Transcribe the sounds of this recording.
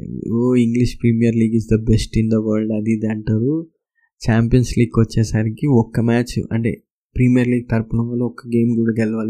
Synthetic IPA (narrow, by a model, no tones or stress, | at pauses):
oiŋɡliʃpɾiːmijɐɾliːɡisd̪ɐbesʈind̪ɐʋɐːɾlɖɐd̪id̪ɐɳʈaːɾu | t͡ʃaːmpijɐnsliːɡ̚kɐt͡ʃːɛːsɐɾikiɔkːɐmaːt͡ʃɐ̰ɳʈḛː | pɾiːmijɐɾliːɡ̚t̪ɐɾpɐnɐmʋɐːloɔkːɐɡe̞ːmkuːɽaːkɛlɐʋaːli